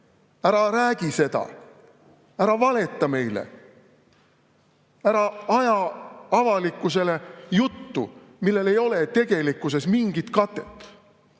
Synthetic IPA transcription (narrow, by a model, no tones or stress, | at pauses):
æɾɑɾæːɡ̥ise̞d̪̥ɑ̰ | æɾɑvɑle̞t̪ˑːɑme̞jlḛ | æɾɑɑjɑɑvɑlikːˑuse̞le̞jut̪ːṵ | milːe̞le̞jo̞le̞t̪e̞ɡ̥e̞likːˑuse̞smiŋɡ̥it̪kɑt̪ːˑe̞̥t̪ːˑ